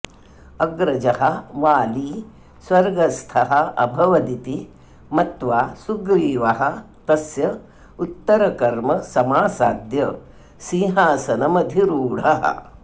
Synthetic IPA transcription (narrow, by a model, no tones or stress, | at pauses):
ɐɡɾɐd͡ʒɐhɐ̆ʋaːliː | swɐɾɡɐst̪ʰɐɦɐ̆ɐ̰bʱɐʋɐd̪it̪i | mɐt̪ʋaːsuɡɾiːʋɐɦɐ̆ | t̪ɐsjɐ | ut̪ːɐɾɐkɐɾmɐsɐmaːsaːd̪jɐ | siːɦaːsɐnɐmɐd̪ʱiɾuːɽ̤ɐɦɐ̰